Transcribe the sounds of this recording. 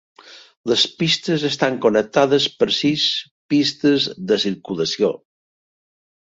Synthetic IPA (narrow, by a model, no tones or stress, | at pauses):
ləspist̪əzəst̪aŋkonək̚t̪aðəspəɾsis | pist̪əzðəsiɾkuləsio